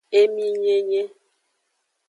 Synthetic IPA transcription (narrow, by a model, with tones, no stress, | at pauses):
e˦mi˦ɲe˦ɲe˦